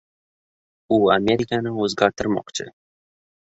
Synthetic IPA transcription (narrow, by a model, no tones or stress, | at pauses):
ʊamʲe̞ɾikʲʰanɪɵzɡʲaɾt̪ʰɪɾmɒ̰qt͡ʃʰɪ̰